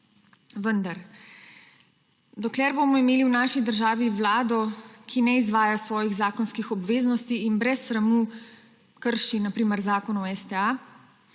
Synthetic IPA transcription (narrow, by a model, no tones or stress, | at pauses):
ʋənd̪aɾ | d̪ɔklɛːɾboːmɔimeːliwnaːʃid̪əɾʒaːʋiʋlaːd̪ɔkʰinɛizʋaːjasʋɔːjiɣzaːkɔnskixɔbʋeːznɔst̪iːnbɾɛsːɾamu | kəɾʃinapɾiːməɾzaːkɔnɔɛst̪ɛa